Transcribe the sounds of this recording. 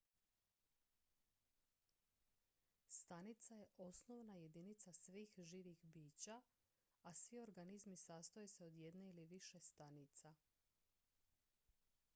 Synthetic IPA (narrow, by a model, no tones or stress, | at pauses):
st̪anit̪saje̞ʔo̞snoʋnaje̞d̪init̪sasʋiːxʒiːʋixbiːt͡ɕa | asʋio̞ɾɡanizmisaːst̪ojese̞o̞d̪je̞d̪neiliʋiʃe̞st̪anit̪sa